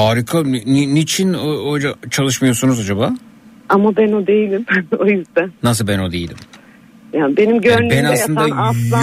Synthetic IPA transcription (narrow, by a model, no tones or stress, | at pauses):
aːɾikʰaninit͡ʃʰinoojd͡ʒat͡ʃʰalˠɯʃmajo̞sunuzad͡ʒabaː | amabæno̞d̪e̞jilʲimojyzd̪ænnas̬ɯlbæno̞d̪ejilʲim | jaːnbe̞nimɟøaɾyndbɛnasj̪atɯnaaslˠa